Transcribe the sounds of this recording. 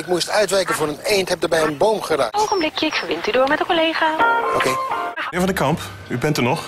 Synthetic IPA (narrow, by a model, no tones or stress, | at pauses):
ɪk̚mustœɥtʋɛjkənvʊːɾənejntɦɛp̚dəɹbɛjənbowmχəraːkowχənblɪkjəɪkfəɹʋɪntydʊːɹmɛtdəkolejχaːokejɪːɹvɑ̃ndəkɑmp | ybɛntənɔχ